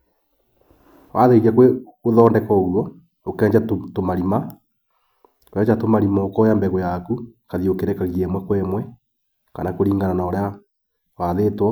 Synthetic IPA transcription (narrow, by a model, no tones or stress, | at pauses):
wʔaðeɣakweoðɔːndɛkɔɣuwɔ | okɛːɲd͡ʑatomaɾima | okɛɲd͡ʒatomaɾimɔokɔjambɛɣɔjakukaðiokeɾɛkaɣiɛmwɛkwɛmwɛ | ka̰nakoɾiːŋɡananaɾea | waðeːtwɔ